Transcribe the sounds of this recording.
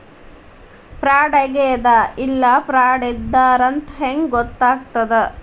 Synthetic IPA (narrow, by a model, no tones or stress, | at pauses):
pɾaːɽɐɡeːd̪ɐilːɐpɾaːɽid̪ːaːɾɐnt̪ɦeŋɡɡɔt̪ːaːk̚t̪ɐd̪e